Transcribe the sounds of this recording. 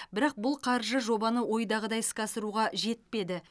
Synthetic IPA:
bɪɾɑq̚bʊlˠqʰɑɾʒəʒo̞bɑnəwo̞jd̪ɑʁəd̪ɑjskɑsəɾuʁɑʒe̞t̪̚pe̞d̪ɪ

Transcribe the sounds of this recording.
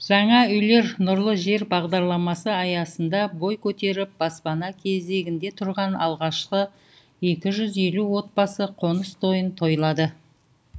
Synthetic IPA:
ʒ̥ɑɴɑʏjle̞ɾnʊɾlˠəʒe̞ɾbɑʁd̪ɑɾlˠɑmɑsəɑjɑsənd̪ɑbo̞jkʲʰɵt̪e̞ɾɪp̚b̥ɑspɑnɑkʲʰe̞ze̞ɡʲɪnd̪e̞t̪ʰʊɾʁɑnɑlˠʁɑʃqə | e̞kʲɪʒʏze̞luwo̞t̪̚bɑsəqʰo̞nəst̪ʰo̞jənt̪ʰo̞jlˠɑd̪ə

